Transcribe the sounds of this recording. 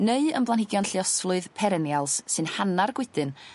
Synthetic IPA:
neɨəmblˠanhɪɡjɔnɬjɔsvlˠʊɨðpʰɛɾɛnjalˠsːɨnhanarɡwɪdɨn

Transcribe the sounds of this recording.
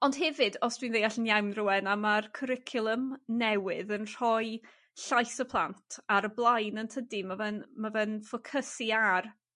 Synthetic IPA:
ɔnd̥ɦɛvɨdɔsd̥winðejaɬənjawnruɛnamarkʰəɾɪkʰjʊlˠəmnɛwɪðənr̥ɔj | ɬajθəpʰlˠantʰaɾəblˠajnəntʰədimavənmavɛnfɔkʰəsiar

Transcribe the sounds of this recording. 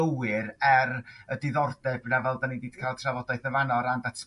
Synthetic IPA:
əwɪɾɛrədɪðɔrdɛbnavɛlˠdanidiːd̥̚kʰaːlˠtʰravɔdaɨθəvanɔɾandatʰ

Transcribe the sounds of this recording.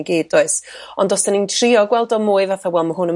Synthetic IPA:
ɡiːd̚dɔɨsɔndɔsd̥anintʰriɔɡwɛlˠdɔmʊːɨvaθawɛlˠmaɦʊnə

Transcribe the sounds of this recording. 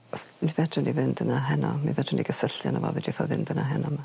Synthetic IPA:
ɔsmivɛdrʊnivɪndənaɦɛnɔminvɛdrʊniɡəsəɬja̰nəvɔ̰vɛdiθɔvɪndənaɦɛnɔma

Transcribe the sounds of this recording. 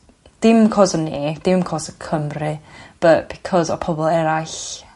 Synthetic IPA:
d̥ɪmkʰɔːsənːeːd̥ɪmkʰɔːsəkʰəmrɨb̥əʔb̥ikʰɔzɔ̰pʰɔbɔlˠɛɾaɬ

